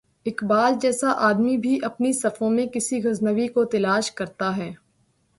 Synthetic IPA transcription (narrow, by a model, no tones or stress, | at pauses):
ɪkbaːld͡ʒɛːsaʔaːd̪mibʱiʔɐpnisɐfõmẽkɪsiɣɐznəʋikot̪ɐlaːʃkɐɾt̪aɦɛː